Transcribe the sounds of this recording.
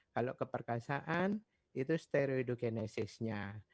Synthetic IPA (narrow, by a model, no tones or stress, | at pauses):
kalokəpərkasaʔan | it̪ust̪eɾioidoɡenesɪsɲa